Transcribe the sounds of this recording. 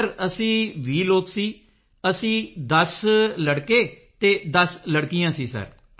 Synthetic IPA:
ɾəsĩːʋiːloːksiː | əsĩːd̪əsləɽkeː | t̪eːd̪əsləɽkijãːsiːsə̰ɾ

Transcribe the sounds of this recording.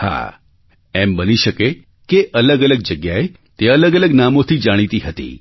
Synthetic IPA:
ha̰ | ɛmbəniʃəke | keʔələɡələɡ̚d͡ʒəɡjae | t̪eələɡələɡnamot̪ʰid͡ʒaɽ̃it̪iɦət̪ḭ

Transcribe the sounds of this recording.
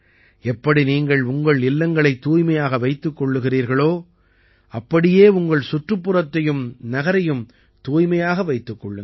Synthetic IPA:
ɛpːɐɽiniːŋɡɐɭʊŋɡɐɭɪlːɐŋɡɐɭɐɪt̪ːuːjmɐjaːɣɐʋɐɪt̪ːɯkːɔɭːɯɣɪriːɾɣɐɭoː | ɐpːɐɽɪjeːʊŋɡɐɭsʊʈrɯpːɯrɐt̪ːɐjɯmnɐɣɐɾɐjɯm | t̪uːjmɐjaːɣɐʋɐɪt̪ːɯkːɔɭːɯ

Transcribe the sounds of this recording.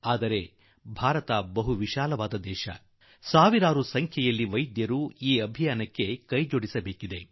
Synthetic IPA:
aːd̪ɐɾe̞ | bʱaːɾɐt̪ɐbɐɦuʋiʃaːlɐʋaːd̪ɐd̪ɛːʃɐ̰ | saːʋiɾaːɾusɐŋkʰjɐjɐlːiʋɐjd̪jɐɾuiːɐbʱijaːnɐkːe̞kɐjd͡ʒoɽisɐbeːkid̪e̞

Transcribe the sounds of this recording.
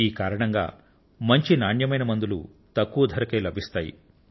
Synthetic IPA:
iːkaːɾɐɳɐŋɡa̰ː | mɐɲt͡ʃinaːɳjɐmɐjnɐmɐnd̪ulṵ | t̪ɐkːuʋɐd̪ʱɐɾɐkeːlɐbʱist̪aːjḭ

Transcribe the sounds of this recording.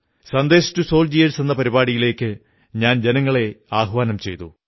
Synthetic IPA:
sɐnd̪e̞ːʂɐ̥tːuso̞ːld͡ʑijɐlse̞nːɐpɐɾibaːɽijile̞ːkːɨ | ɲaːnd͡ʑenɐŋːɐɭe̞aːɦʋaːnɐmt͡ɕe̞̰jt̪ṵ

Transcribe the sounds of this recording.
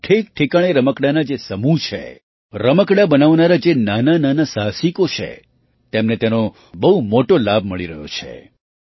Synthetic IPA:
ʈʰek̚ʈʰikaɽ̃eɾəməkɽanad͡ʒesəmut͡ʃʰḛ | ɾəməkɽabənaʋnaɾad͡ʒenanananasaɦsikot͡ʃʰḛ | t̪emnet̪eno | bəɦumoʈolab̚ʱməɭiɾəɦjo̰t͡ʃʰḛ

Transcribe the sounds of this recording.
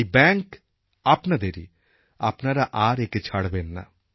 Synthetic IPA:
ibɛ̃ːŋk | ɐpnad̪eːɾḭ | ɐpnaɾaʔaːɾeket͡ʃʰaɽbeːnːa̰

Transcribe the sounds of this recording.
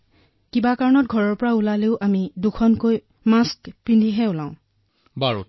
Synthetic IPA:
kibakaɹɔnɔt̚ɡʱɔɹɔɹpɔɹaulaleʊʔamidukʰɔnkoj | maskpindʱiɦɛulãʊ̃ | baɹṵt

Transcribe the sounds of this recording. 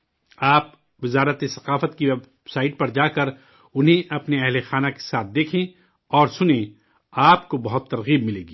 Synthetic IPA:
aːp | ʋɪzaːɾət̪esɐqaːfət̪kiʋɛb | saːɪʈ̚pɐɾd͡ʒaːkɐɾ | ʊnɦẽʔɐpneɛɦlexaːnake̥saːt̪̚ʰd̪eːkʰẽ | ɔːɾsʊnẽ | aːpkobɐɦʊt̪ːɐɾɣiːb̚mɪleːɡiː

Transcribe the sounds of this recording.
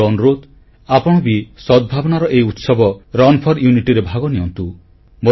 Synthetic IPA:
ɔnɾod̪ | apɔɽ̃ɔbisɔd̪̚bʱabɔñaɾɔʔejut̪sɔbɔɾɔnpʰɔɾjuniʈiɾebʱaɡɔniɔnt̪u | mo

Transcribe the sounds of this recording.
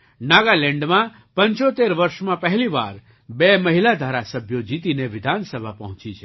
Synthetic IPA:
naɡalɛ̃ɳɖmã | pəɲt͡ʃot̪eɾʋəɾʃmãpəɦɛliʋa̰ɾ | beməɦilad̪ʱaɾasəbʱjod͡ʒit̪ineʋɪd̪ʱansəbʱapəɦʊ̃t͡ʃit͡ʃʰe

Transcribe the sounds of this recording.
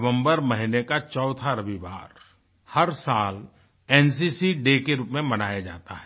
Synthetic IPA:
ʋə̃mbəɾmɐɦɪnekat͡ʃɔːt̪ʰaɾɐʋiʋa̰ːɾ | hɐɾsaːl | ɛːns̬isiɖekeɾuːpmẽmɐnaːjad͡ʒa̰ːt̪aɦɛ

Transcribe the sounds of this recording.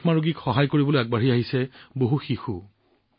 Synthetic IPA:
xmaɹoɡikxɔɦajkoɹibɔlojaɡ̚baɹiaɦisɛboɦuxixu

